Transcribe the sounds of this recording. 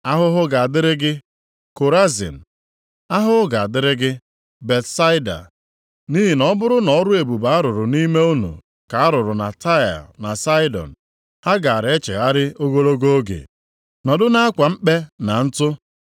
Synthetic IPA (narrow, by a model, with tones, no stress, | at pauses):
a˦ɦʊ˦ɦʊ˦ɡa˨a˨dɪ˦ɾɪ˦ɡɪ˦ | ko˨ɾa˦zḭ˨m̩˨ | a˦ɦʊ˦ʊ˦ɡa˨a˨dɪ˦ɾɪ˦ɡɪ˦ | be˨tsa˦ɪ˦da̰˨ | ni˦ɦi˨nɔ˦bʊ˦ɾʊ˦nɔ˨˦ɾʊ˦e˨bu˨ba˨a˦ɾʊ˨ɾʊ˨ni˦me˦u˦nṵ˨ | ka˨a˦ɾʊ˨ɾʊ˨na˨ta˦˨a̰˨lna˨sa˦ɪ˦dɔ̰˨n̩˨ | a˦ɡa˨a˨ɾe˦t͡ʃḛ˨ɣa˦ɾɪ˦o˦ɡo˦ɾo˦ɡo˦o˦ɡḛ˨ | nɔ˨dʊ˦na˦a˦kʷa˨m̩˦k͡pe˦na˨n̩˦tʊ˦